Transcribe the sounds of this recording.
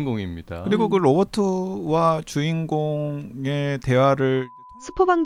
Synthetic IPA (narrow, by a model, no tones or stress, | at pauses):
ɡoŋimɲid̥akɯɾiɡokɯɾobotʰɯwat͡ɕuiŋɡoŋe̞te̞waɾɯɭ | sʰɯ̥pʰobaŋ